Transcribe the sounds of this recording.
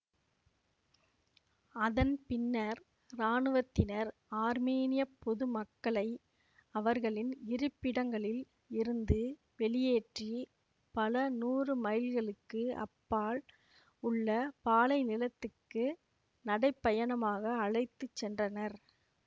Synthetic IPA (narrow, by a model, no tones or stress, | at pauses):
ɐðɐnpɪnːɐɾː | aːnɯʋɐt̪ːɪnɐɾaːɾmeːnɪjɐpːɔðɯmɐkːɐɭɐɪ | ɐʋɐɾɣɐɭɪnɪɾɯpːɪɽɐŋɡɐɭɪl | ɪɾɯnd̪ɯ | ʋɛɭɪjeːʈri | pɐlɐnuːrɯmɐɪlɣɐɭɯkːɯʔɐ̰pːaːl | ʊɭːɐpaːlɐɪnɪlɐt̪ːɯkːɯ | nɐɽɐɪpːɐjɐnɐmaːɣɐːɭɐɪt̪ːɯt͡ʃsɛndrɐnɐɾ